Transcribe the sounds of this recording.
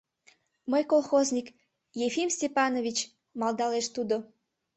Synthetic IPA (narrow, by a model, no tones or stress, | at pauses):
məjkolˠxozʲnʲik | jefimsʲtʲepɑnovʲit͡ɕ | mɑld̪ɑleʃt̪ud̪o